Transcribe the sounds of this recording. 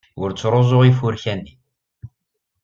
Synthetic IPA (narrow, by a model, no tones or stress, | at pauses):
ʊɾt͡sːɾˤozˤoʁifuɾçænːi